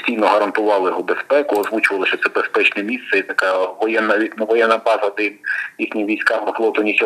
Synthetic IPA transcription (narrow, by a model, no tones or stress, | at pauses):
sʲtʲijnɔɦɐɾɐnt̪ʊʋɑlˠɪjɔɦɔbespɛkʊɐzʋut͡ʃʊʋɐlˠɐʃt͡ʃɔt̪sɛbespɛt͡ʃnɛmʲist̪sɛit̪ɐkɑʋɔjɛnːɐʋʲinʋɔjɛnːɐbɑzɐd̪ɐinjixnʲiʋʲijsʲkɑmːɪflˠɔt̪ɔnʲisʲɐ